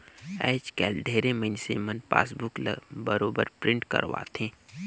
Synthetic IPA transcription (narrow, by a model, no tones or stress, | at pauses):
ɛ̰ːt͡ʃkɛːlɖ̪ʱeːɾemə̃nsemənpa̰ːsbʊklbəɾoːbəɾpɾɪ̃ɳʈkə̰ɾʋa̰ːt̪ʰẽː